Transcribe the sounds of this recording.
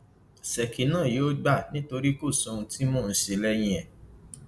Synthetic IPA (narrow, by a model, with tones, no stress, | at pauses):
sɛ˨kʰi˨˦nã˦˨joː˦ɡ͡ba˦˨nĩ˦to˧ɾi˦ko˦˨sɔ̃˨˧ũ˧ti˦mɔ̃˦˨n̩˨˦si˨lɛ˦jĩ˧ɛ˨